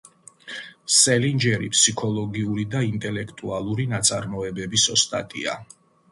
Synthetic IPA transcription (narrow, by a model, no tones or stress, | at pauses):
sɛlind͡ʒɛɾḭpʰsikʰɔlˠɔɡiuɾid̪aint̪ʼɛlɛkʰt̪ʼualˠuɾinat̪sʼaɾmɔɛbɛbisɔst̪ʼa̰t̪ʼḭa̰